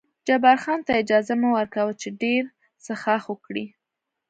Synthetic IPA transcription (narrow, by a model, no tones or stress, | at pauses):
d͡ʒabaɾxɑnt̪aɪd͡ʒɑzamuwəɾkawət͡ʃeɖeɾ | səxɑxwəkɽi